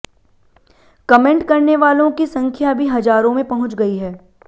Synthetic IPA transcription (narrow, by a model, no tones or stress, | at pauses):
kɐmẽɳʈkɐɾneʋaːlõkisɐ̃ŋkʰjabʱiɦɐd͡ʒaːɾõmẽpɐɦʊ̃t͡ʃɡɐiɦɛː